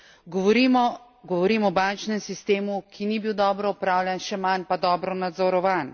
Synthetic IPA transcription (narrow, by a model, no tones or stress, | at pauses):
ɡɔʋɔɾimɔ | ɡɔʋɔɾiːmɔbant͡ʃnɛmsist̪eːmukʰinibiwd̪ɔːbɾɔɔpɾaːwljanʃɛmanpad̪ɔːbɾɔnad̪zɔɾɔʋan